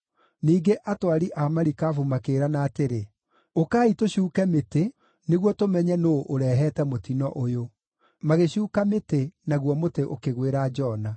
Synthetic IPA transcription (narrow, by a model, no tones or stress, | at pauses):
niːɡeʔatwaɾiʔamaɾikaːfumakeːɾanaːteɾe | okaːitoɕuːkɛmete | neɣwɔtomɛɲɛnoʔoɾɛɦɛtɛmotinɔʔojo | maɣeɕuːkametenaɣwɔmoteʔo̰keɣweɾad͡ʒɔna